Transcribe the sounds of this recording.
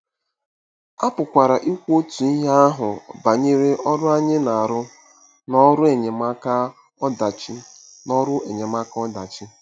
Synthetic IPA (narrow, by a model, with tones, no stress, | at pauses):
a˦pʊ˨kʷa˨ɾa˨ʔi˦kʷo˦tu˨i˦ɦe˦a˦ɦʊ˨ba˨ɲe˦ɾe˦ʔɔ˦ɾʊ˦a˦ɲɪ˦na˨a˨ɾʊ˦ | nɔ˦ɾʊ˦e˨ɲe˨ma˦ka˦ | d | nɔ˦ɾʊ˦e˨ɲe˨ma˦kɔ˦da˨t͡ʃi˦